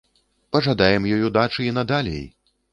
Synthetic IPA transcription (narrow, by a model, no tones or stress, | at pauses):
pɐʐad̪ajɛmjɔjud̪at͡ʂɨinɐd̪alʲḛj